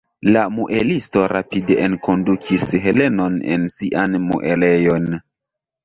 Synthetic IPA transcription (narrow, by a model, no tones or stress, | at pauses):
lamuʔe̞listo̞ɾapide̞ʔenkʰo̞ndukʰisɦe̞le̞no̞nḛnsiʔanmṵʔe̞le̞jo̞n